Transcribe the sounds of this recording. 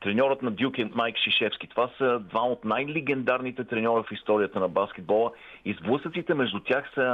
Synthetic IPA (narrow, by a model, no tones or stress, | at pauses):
t̪ɾɛnʲɔɾət̪nɐd̪ʲjukʲimajkʃiʃɛfskʲi̥t̪ovasəd̪vaot̪najlɛɡɛnd̪aɾnit̪ɛt̪ɾɛnʲɔɾəfist̪ɔɾiət̪ənɐbaskɛd̪̚bɔlˠə | izblˠɤsət̪sit̪ɛmɛʒd̪ʊt̪ʲaxsə